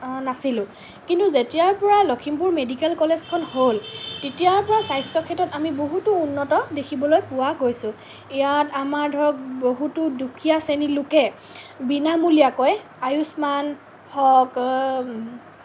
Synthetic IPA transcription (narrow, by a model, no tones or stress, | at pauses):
nasilʊ̃ | kintuzetijaɹpɔɹalɔkʰimpuɹmedikɛlkɔlezkʰɔnholtetijaɹpɔɹasajstɔkʰɛtɔtamiboɦutʊːnːɔtɔdekʰibɔlojpʊwaɡojsʊ̃ | ijatamaɹdʱɔɹɔk̚boɦutʊdukʰijasenilʊkɛ | binamulijakɔj | ajusman | hɔk